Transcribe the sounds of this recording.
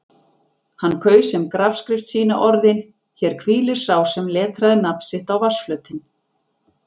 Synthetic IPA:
hanːkʰœːɥsɛmkɾafskɾɪft̪siːnaʔɔɾðɪn | çɛɾ̥kʰviːlɪɾ̥saːwsɛmlɛːt̪ɾaðɪnapn̥sɪht̪awvasflœːɥt̪ɪn

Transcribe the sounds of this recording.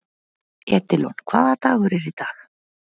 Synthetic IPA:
ɛ̰t̪ːɪlṵnkʰva̰ːðat̪aːɣʏɾɛɾit̪aːl

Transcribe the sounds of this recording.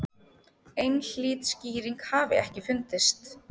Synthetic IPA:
ejnl̥iːt̪sciːɾiŋkhaːvɪ̰ɛhcɪfʏnt̪ɪst̪

